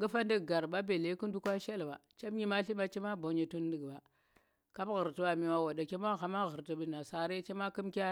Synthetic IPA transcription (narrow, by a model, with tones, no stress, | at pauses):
ɡə˦fa˦ndi˦ɡɡa˨ɾba˦be˨le˦ku˦n˦du˦kʷa˦ʃe˦lba˨t͡ʃa˦bɲi˦ma˦ɬi˦ma˦t͡ʃi˦ma˦bo˨ɲe˨tu˦n˦di˨ɡba˨ | ka˦bɣə˨ɾti˦wa˨mi˨wa˦wa˨da˨ke˦m˦a˦˨xa˨ma˦ɣə˨ɾti˨bi˨na˨sa˨ɾe˦t͡ʃe˦ma˦ki˦mkʲa˦